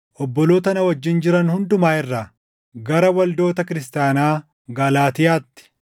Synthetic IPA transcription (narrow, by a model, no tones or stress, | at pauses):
ʔɔbːɔloːt̪ɐnɐwɐd͡ʒːɪnd͡ʒɪɾɐnhʊnd̪ʊmaːɪrːa | ɡɐɾɐwɐld̪o̞ːt̪ɐkɪɾɪst̪jaːnaː | ɡɐlaːt̪ɪjaːt̪ːɪ̥